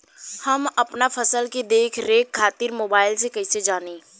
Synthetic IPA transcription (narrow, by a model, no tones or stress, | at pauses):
hɐmɐpnafʰɐsəlked̪eːkʰɾeːkʰːaːt̪ɪɾmoːbaːɪlsekɐɪsed͡ʒaːneː